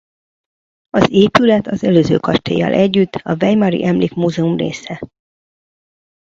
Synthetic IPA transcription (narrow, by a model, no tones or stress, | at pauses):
ɒzeːpylɛt̪ʰɒzɛløːzø̰ːkɒʃt̪ḛːjɒ̰lʔɛɟːyt̪ːɒvɛjmɒɾḭʔɛmliːkmuːzɛumrḛːsɛ